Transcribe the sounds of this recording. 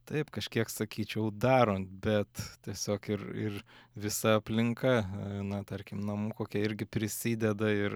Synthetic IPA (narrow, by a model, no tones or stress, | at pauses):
t̪ɐɪpkɐʃʲkʲiɛksɐkʲiːt͡ʃʲɛʊd̪ɑːɾoːnt̪̚bʲɛt̪tʲiɛsʲoːkɪrɪ̰rʋʲɪsɐɐpʲlʲɪŋkɐnɐt̪ɐɾʲkʲɪmnɐmuːkoːkʲɛɪɾʲɡʲɪpʲɾʲɪsʲiːd̪ʲɛd̪ɐɪr